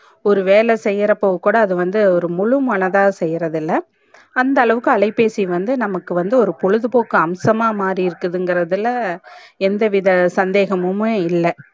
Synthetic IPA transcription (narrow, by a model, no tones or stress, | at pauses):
ɔɾɯʋeːlɛsɛjːɪɾɐpːoːʋɯkːuːɽɐːðɯʋɐnd̪ɯɔɾɯmʊɻɯmɐɳɐðaːsɛjːɾɐðɪlːɐ | ɐnd̪ɐːɭɐʋɯkːɯɐɭɐɪpːeːsiʋɐnd̪ɯnɐmɐkːɯʋɐnd̪ɯɔɾɯpɔɻɯðɯpoːkːɯɐmsɐmaːmaːɾiɪɾɯkːɯðɯŋɡɪɾɐðɪlːɐɛnd̪ɐʋɪðɐsɐnd̪eːɣɐmɯmeːɪlːɐ